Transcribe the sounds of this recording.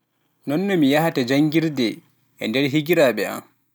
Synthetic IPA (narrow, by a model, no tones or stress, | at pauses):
nɔnːɔmijahatad͡ʒaŋɡiɾdɛ | ʔɛ̰ndɛɾɦiɡiɾaɓɛa̰m